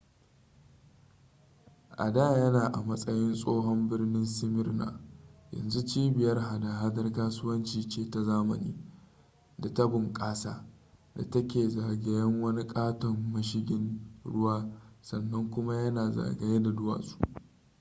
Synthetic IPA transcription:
ʔa̰˨daː˦˨jɐ˦naː˨ʔa˨mɐ˦sʼɐ˦jɪ˦nsʼoː˦ɦɔ˦mbɪ˦rnɪ˦nsɪ˦mɪ˦rna̰ː˨jɐ̰˨nzu˦t͡ʃiː˦bɪ˨jɐ˦rɦa˨daː˨ɦa˦dɐ˦rkaː˦sʊ˦wɐ˦nt͡ʃiː˨t͡ʃeː˦ta˨zaː˦mɐ̰˨nḭː˦ | da˨tɐ˦bɪ˨ŋkʼaː˦sa̰ː˦ | da̰˨tɐ˦kʲeː˨zaː˨ɡe˨jɐ˦ŋwɐ˦ni˦kʼaː˦tɔ˨mːɐ˦ʃ̬ɪ˦ɡʲɪ˦nɽʊ˦waː˦sɐ˨nːɐ˦ŋkʷʊ˦ma˦jɐ˦naː˨za̰ː˨ɡe˨je˦da˨dʊ˦wa̰ː˨su̥˦˨ʔʔ

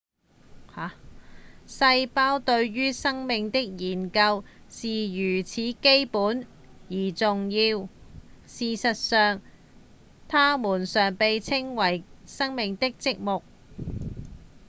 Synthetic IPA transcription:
haː˨˥ | sɐ˧jpaː˥wt̪ɵ˧ɥɥyː˥sɐ˥ŋmɪ˨ŋt̪ɪ˥k̚jiː˨˩nkɐ˧wsiː˨jyː˨˩t͡sʰiː˨˥ke˥jpuː˨˥n | jiː˨˩t͡sʊ˨ŋjiː˧w | siː˨sɐ˨t̚sœː˨ŋ | t̪ʰaː˥muː˨˩nsœː˨ŋpe˨jt͡sʰɪ˥ŋwɐ˨˩jsɐ˥ŋmɪ˨ŋt̪ɪ˥k̚t͡sɪ˥k̚mʊ˨k̚

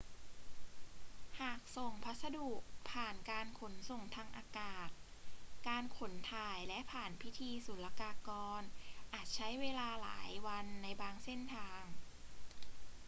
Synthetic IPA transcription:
haː˨˩k̚so˨˩ŋpʰa˦˥t̪̚sa˧duː˨˩k̚pʰaː˨˩nkaː˧nkʰo˩˦nso˨˩ŋt̪ʰaː˧ŋʔaː˧kaː˨˩t̪̚kaː˧nkʰo˨˩˦nt̪ʰaː˧˩jlɛ˦˥ʔpʰaː˨˩npʰi˦˥t̪ʰiː˧su˨˩˦la˧kaː˧kɔː˧nʔaː˨˩t̪̚t͡ɕʰa˦˥jweː˧laː˧la̰ː˩˦jwa˧nːa˧jbaː˧ŋse˥˩nt̪ʰaː˧ŋ

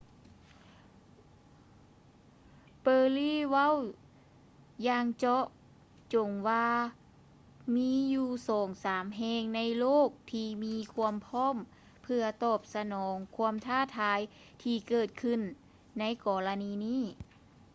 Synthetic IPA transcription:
pɤː˧liː˧˥˩ʋa˥˨w | jaː˧ŋt͡ɕɔ˧˥ʔ | t͡ɕo˨˩ŋwaː˧ | miː˧˥˨juː˧sɔː˩˦ŋsaː˩˦mɦɛː˧ŋna˧˥jloː˥˨˩k̚t̪ʰiː˧miː˧˥kʰu˧˥˧əmpʰɔː˥˨m | pʰɯ˧ɐt̪ɔː˧˩p̚sa˧nɔː˩˦ŋkʰu˧˥˧əmt̪ʰaː˧˥˩t̪ʰaː˨˧˦j | t̪ʰiː˧˩kɤː˨˩t̪̚kʰɯ˧˨nː | a˧˥jkɔː˨˩la˧niː˧˥niː˧˥˩

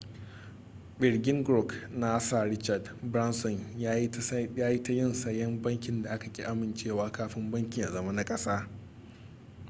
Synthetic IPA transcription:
bɪ˨ɽɡʲɪ˦ŋɡɾɔ˦˨knaː˦sa˨ɾɪ˦t͡ʃa˨d | bɾa˦nsɔ˨nja˦jjaː˦ji˦ta˦jɪ˦˨nsɐ˦jːɐ˦mbɐ˦ŋkʲɪ˨nda˨ʔa˦ka˨kʲʼi˦ʔa˦mɪ˨nt͡ʃeː˦˨waː˦kaː˦ɸɪ˦mbɐ˦ŋkʲi˨ʔa˨zɐ˨ma˦na˦kʼɐ˦saː˦

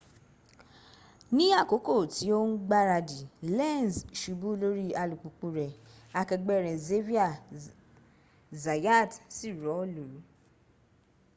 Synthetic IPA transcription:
nĩ˦a˦˨ko˨˦ko˦˨ti˨˦o˦n̩˦ɡ͡ba˦ɾa˧di˨lɛ˦˨n˨zʃu˨˦bu˦lo˦ɾi˦a˧lu˨k͡pu˨k͡pũ˧ɾɛ˨ | a˧kɛ˧ɡ͡bɛ˦˨ɾɛ˨ze˦vi˦a˦˨ | za˨ja˦˨tsi˦˨ɾɔ˨˦o˦˨lu˨ɾu˨˦

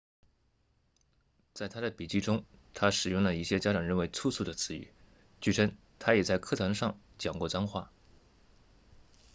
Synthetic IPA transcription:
t͡sa˥˩ɪt̪ʰa˥d̪ə˨pi˨˩t͡ɕi˥˩ʈ͡ʂʊ˥ŋt̪ʰa˥ʂɻ̩˨˩jʊ˥˩ŋlə˩i˥˩ɕjɛ˥t͡ɕja˥ʈ͡ʂɑ˨˩ŋɻə˥˩nwe˧˥ɪt͡sʰu˥˧sʰu˥˩d̪ə˩t͡sʰɹ̩˧˥y̰˨˩ | t͡ɕy˥˩ʈ͡ʂʰə˥ŋ | t̪ʰa˥jɛ˨˩t͡sa˥˧ɪkʰɤ˥˩t̪ʰa˧˥nʂɑ˥˧ŋ | t͡ɕjɑ˨˩ŋkwɔ˥˩t͡sɑ˥ŋxwa˥˩

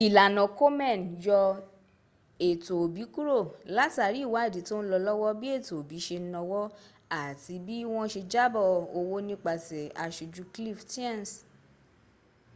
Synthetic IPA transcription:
i˨la˨nɔ̃˨ko˦mɛ̃˦˨n˨jɔ˧ | e˨to˨bi˨˦ku˦ɾo˦˨la˨˦ta˨ɾi˨˦˨wa˨˦e˦˨di˨˦to˦n̩˦lɔ˧lɔ˦wɔ˦bi˦e˦˨to˨o˨bi˨˦ʃe˧n̩˦nɔ̃˧wɔ˦ | a˦˨ti˧˦bi˦w̃ɔ̃˦ʃe˧d͡ʒa˦bɔ˦˨o˧wo˦nĩ˦k͡pa˧sɛ˨a˨ʃu˨˧d͡ʒu˧˦kli˦˨fti˦ɛ̃˦˨n˨s

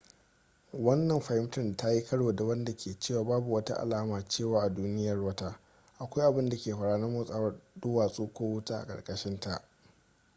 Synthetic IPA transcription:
wɐ˦nːɐ˨mɸa˨hɪ˦mtɪ˦˨n˨ta˦ji˦kʰɐ˦ɽwoː˨da˨wɐ˦nda˨kʲʰeː˨t͡ʃeː˦˨waː˨baː˦bu˨wɐ˦ta̰˦ʔa̰˨laː˦maː˨t͡ʃeː˦˨waː˦ʔa˨duː˦nɪ˦jɐ˨rwɐ˦taː˦ | ʔa˨kʷa˦jʔa˨bɪ˦nda˨kʲeː˨ɸɐ˨ɽaː˦nɐ˦mʊ˦sʼaː˦wɐ˦dʊː˦waː˨sʼoː˦kʷoː˦wʊ˦taː˦ʔa̰˨kʼɐ̰˨ɽkʼɐ˨ʃɪ˦nta˨ʔ

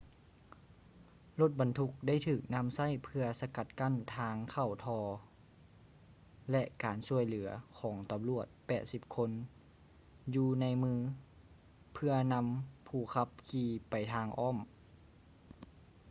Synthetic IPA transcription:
lo˧˥˩t̪̚ba˨nt̪ʰu˧˥k̚da˥˩jt̪ʰɯː˨˩k̚na˧˥˨msa˥˩˨jpʰɯ˧ɐsa˧ka˧˩t̪̚ka˧˥˨nt̪ʰaː˧ŋkʰa˧˩wt̪ʰɔː˧ | lɛ˧ʔkaː˨nsu˧˩əjlɯ˩˦ɐkʰɔː˩˦ŋt̪a˨mlu˧˩ət̪̚pɛː˨˩t̪̚si˧˥p̚kʰo˧˥n | juː˧na˧˥jmɯː˧ | pʰɯ˧ɐna˧˥mpʰuː˧˩kʰa˧˥p̚kʰiː˧pa˨˩jt̪ʰaː˧ŋʔɔː˥˨m

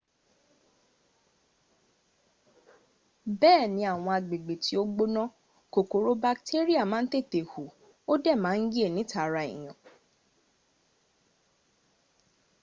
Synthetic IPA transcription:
bɛː˦˨nĩ˧˦a˨w̃ɔ̃˧a˨ɡ͡be˨ɡ͡be˨tʰi˦o˦ɡ͡bo˦nã˦ | ko˨ko˨ɾo˧ba˧ktʰe˦ɾi˦a˦˨mãː˨˦n̩˦te˦˨te˨hu˨ | o˦dɛ˦˨mãː˨˦n̩˦ɡe˦˨nĩ˨˦tʰa˦˨ɾa˧ḭ˨j̃ã˨

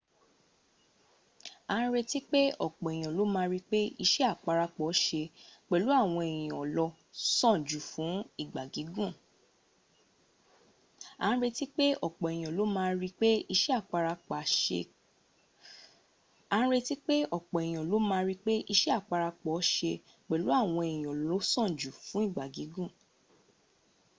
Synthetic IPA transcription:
ã˨˦ɾe˧ti˦k͡pe˦ɔ˦˨k͡pɔ˨j̃ɔ̃˨lo˨˦mãː˧ɾi˦k͡pe˦i˧ʃɛ˦a˦˨k͡pa˧ɾa˧k͡pɔ˨˦ʃe˧k͡pɛ˨lu˨˦a˦˨w̃ɔ̃˧e˨j̃ɔ̃˨ɔ˨lɔ˧ | sɔ̃˦˨d͡ʒu˨fũ˨˦i˦˨ɡ͡ba˨ɡi˨˦ɡũ˦˨ | ã˨˦ɾe˧ti˦k͡pe˦ɔ˦˨k͡pɔ˨e˨jĩ˨ɔ̃˨lo˨˦mãː˦˧ɾi˦k͡pe˦i˧ʃɛ˦a˦˨k͡pa˧ɾa˧k͡pa˨ʃḛ˧ | ã˨˦ɾe˧ti˦k͡pe˦ɔ˦˨k͡pɔ˨e˨jĩ˨ɔ̃˨lo˨˦mãː˦˧˦ɾi˦k͡pe˦ʔi˧ʃɛ˦a˦˨k͡pa˧ɾa˧k͡pɔ˨˦ʃe˧ | k͡pɛ˨lu˨˦a˦˨w̃ɔ̃˧e˨jĩ˨ɔ˨lɔ˧˦sɔ̃˦˨d͡ʒu˨fũ˨˦i˦˨ɡ͡ba˨ɡi˨˦ɡũ˦˨

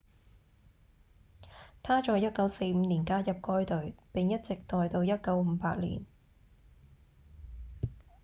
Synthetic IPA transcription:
t̪ʰaː˥t͡ʃɔː˨˧jɐ˥t̚kɐ˨˥wse˧jm̩ː˨˧niː˨˩nkaː˥jɐ˨p̚kɔː˥jt̪ɵ˨˧ɥpɪ˨ŋjɐ˥t̚t͡sɪ˨k̚t̪ɔː˨jt̪o˧wjɐ˥t̚kɐ˨˥wm̩ː˨˧˦paː˧t̚lḭː˨˩n

